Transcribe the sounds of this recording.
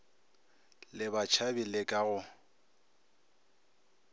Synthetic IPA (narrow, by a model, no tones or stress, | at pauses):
lɪbat͡ʃʰabilɪkʼaɣʊ